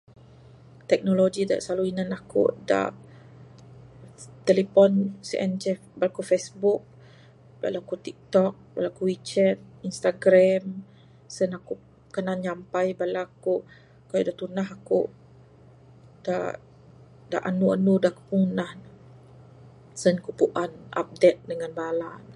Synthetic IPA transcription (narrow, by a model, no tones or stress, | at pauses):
t̪ɛk̚nolod͡ʒida̰ʔsaluinanakṵʔda̰ʔ | t̪elepɔnsiʔɛnt͡ʃɛ | balakufesbuk̚ | ba̰lakut̪ik̚t̪ɔk̚balakuwit͡ʃɛt̪̚inst̪aɡɾam | sənaku | kənaɲampajbalaku | kajudat̪unaɦakṵ | da̰ | da̰ʔanuanudaku̥punah | sənkupuʔanʔa̰p̚dɛt̪̚dəŋanbalan